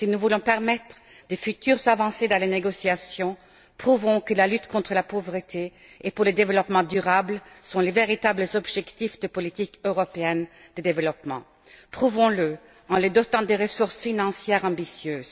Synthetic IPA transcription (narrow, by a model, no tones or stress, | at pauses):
sinuvulɔ̃pɛʁmɛt̪χə | d̪efyt̪yʁzavɑ̃sed̪ɑ̃leneɡɔsiasjɔ̃ | pχuvɔ̃kəlalyt̪kɔ̃t̪χəlapovʁət̪ʰe | epuʁləd̪evəlɔpmɑ̃d̪yʁablsɔ̃leveʁit̪abləzɔbʒɛkt̪ifd̪əpɔlit̪ikøʁɔpeɛn | d̪̥əd̪evəlɔpmɑ̰̃ | pχuvɔ̃lə | ɑ̃led̪ɔt̪ɑ̃d̪eʁəsuʁsfinɑ̃sjɛʁɑ̃bisjøːz